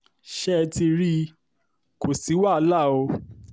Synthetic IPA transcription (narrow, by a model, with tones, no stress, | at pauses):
ʃɛ˦˧ti˧ɾi˦ | ko˨si˨˦wa˦˨˧la˦˨o˧